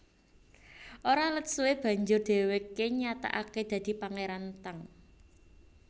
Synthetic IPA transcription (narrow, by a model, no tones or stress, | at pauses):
ʔoɾalət̪̚suweb̥ä̤ɲd͡ʒʊrd̪̥e̤wekeɲat̪a̰ʔaked̪̥ä̤d̪̥i̤paŋeɾant̪əŋ